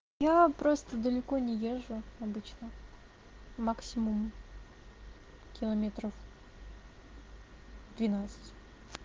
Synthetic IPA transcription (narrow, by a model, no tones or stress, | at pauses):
japɾo̞st̪əd̪əlʲɪko̞nʲɪje̞ʐːʊɐbɨt͡ɕnə | maksʲɪmʊm | kʲɪlˠɐmʲet̪ɾəf | d̪vʲɪnat̪sɨ̥tʲ